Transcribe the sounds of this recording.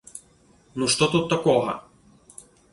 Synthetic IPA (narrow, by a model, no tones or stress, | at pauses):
nuʂt̪ot̪ut̪ːɐkɔɦɐ̰